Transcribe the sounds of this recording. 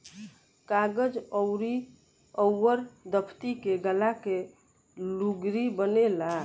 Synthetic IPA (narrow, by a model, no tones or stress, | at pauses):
kaɡəd͡ʒəwɾi | əwːəɾd̪əpʰt̪ikeɡəlake | luɡɾibənela